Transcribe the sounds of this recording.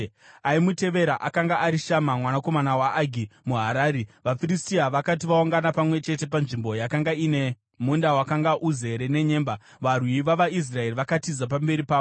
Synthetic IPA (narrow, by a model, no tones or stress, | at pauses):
aimute̞ʋe̞ɾaʔakaŋɡaːɾiʃamamwanako̞manawaʔːɡʱimuɦaɾaːɾiʋafiristiaʋakat̬iʋaoŋɡanapamwe̞t͡ʃe̞te̞panʐimbo̞jakaŋɡaine | mundawakaŋɡaʔuze̞ɾe̞ne̞ɲe̞ːmba | ʋarwiʋaʋais̬rae̞riʋakatizap̬ambe̞ɾipaːo